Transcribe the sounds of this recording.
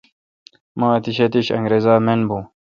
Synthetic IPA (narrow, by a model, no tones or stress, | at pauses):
mãːɐt̪iɕɐt̪iɕɐ̰ŋɡɾezaːmenbũ